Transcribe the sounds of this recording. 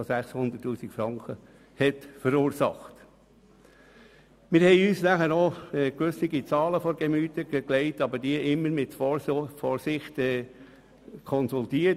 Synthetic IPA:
ɔsæχshʊnd̥̪ətːuːsikfɾɑŋkʰχə | hɛtfəɾuːɾsɑ̰χt | mɪɾhɛɪyːsnæχəɾoɛkʋʏsɪɡit͡sɑːləfɔɾɡɛmyːtəɡəklɛɪtɑbəɾdiəʔɪmːəɾmɪtffɔːɾsɪχtɛː | kʰɔnsultiːə

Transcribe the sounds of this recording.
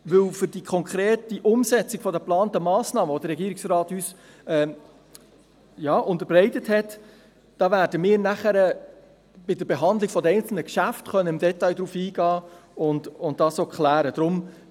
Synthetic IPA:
ʋɵwfʏɾdikʰɔŋkʰɾeːtiʔʊmsɛt͡siɡ̥fɔdəplɑːntəmɑːsnɑːməvɔd̥əɾːɛɡiːɾɪksrɑːthys | ɛː | jɑːʔʊnt̪əɾbrɛɪtəthɛt | d̥ɑːvæːɾdəmɪːɾnæχəɾə | b̥ɪdəɾbeɦɑndlɪɡ̥fɔdəɛɪnt͡sl̩nəkʃæftχœnːəɪmdɛtɑjdɾuːfiːɡɑːʊndʊnt̚d̥ɑːsoːkχlæːɾəd̥ɾʊm

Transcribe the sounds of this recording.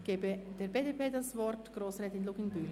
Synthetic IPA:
ɡ̥eːbəd̥eːɐbeːdeːpʰeːdasvɔrtɡ̥roːsrɛːtɪnloːɡɪnbyl

